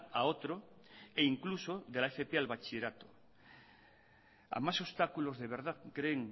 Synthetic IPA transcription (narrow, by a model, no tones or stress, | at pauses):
aot̪ɾoeiŋkluso̞ðelaefepealβat͡ʃiɾat̪o̥ | a̰maso̞st̪akulo̞zðeβ̞e̞ɾð̞aðkɾeŋ